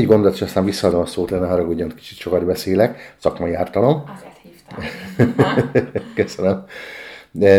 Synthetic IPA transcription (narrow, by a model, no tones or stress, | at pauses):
ɟɡo̞nd̪olt̪eʃɒst̪aːɱvisːɒd̪o̞mɒsoːt̪lɛnːɛɦɒɾɒɡoɟːɒnt̪ki̥t͡ʃi̥t̪ʃo̞kɒd̪bɛseːlɛksɒkmɒjiaːrt̪ɒlo̞m | køsønøm